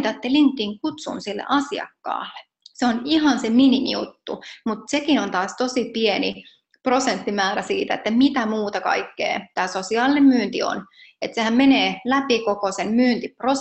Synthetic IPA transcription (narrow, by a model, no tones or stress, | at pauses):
t̪ɑet̪ːelint̪ːˑiŋkut̪sṵnsilːḛʔɑsiɑ̰kːɑ̰ːlːe̥ | seoniɦɑnseminimḭjṵt̪ːṵmut̪sekinont̪ɑːst̪osipieni | prosent̪ːimæːɾæsiːt̪æ̰ḛt̪ːæmit̪æmuːt̪ɑkɑ̰ikːḛːt̪æːsosiɑːlinemmyːnt̪ḭo̰net̪sehæmmeneːlæpikokosemmyːnt̪ipro